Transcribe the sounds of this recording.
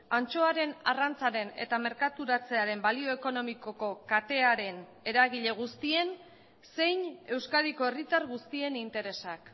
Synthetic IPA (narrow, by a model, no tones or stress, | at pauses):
ant͡ʃo̞aɾe̞na̰rant͡saɾe̞ne̞̰t̪ame̞ɾkat̪uɾat͡se̞aɾe̞mbalio̞e̞ko̞no̞miko̞ko̞kat̪e̞aɾe̞n | e̞ɾaɣiʎe̞ɣ̞ust̪ie̞n | se̞jɲe̞wskaɾiko̞e̞rit̪aɾɣust̪ie̞nint̪e̞ɾe̞sak